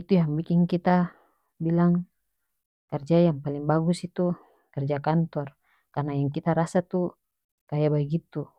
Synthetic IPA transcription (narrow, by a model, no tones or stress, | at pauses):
it̪ujaŋbikiŋkit̪a | bilaŋ | kərd͡ʒajaŋpaliŋbaɡusit̪u | kɛrd͡ʒakant̪ɔr | karnajaŋkit̪aɾasat̪u | kajabaɡit̪u